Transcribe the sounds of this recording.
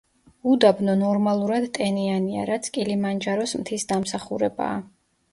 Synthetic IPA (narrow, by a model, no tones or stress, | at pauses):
ud̪abnɔnɔɾmalˠuɾad̪t̪ʼɛniania̰ɾat̪sʰkʼilimand͡ʒaɾɔsmt̪ʰisd̪amsaχuɾɛba̰ː